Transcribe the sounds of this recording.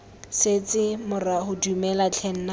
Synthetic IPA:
set͡sɪmʊrahʊdumɛlat͡ɬʰɛn̩na

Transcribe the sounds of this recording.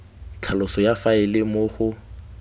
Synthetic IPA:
t͡ɬʰalʊsɔjafaɪlɪmʊχʊ

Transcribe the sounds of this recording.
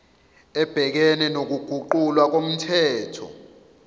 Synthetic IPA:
ɛb̥ʱɛk̬ɛnɛnok̬uɡ̥ʱuǃulwak̬om̩tʰɛːtʰɔ̰

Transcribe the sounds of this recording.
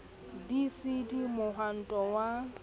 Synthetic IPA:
bisidimʊɦan̩tʼɔwa

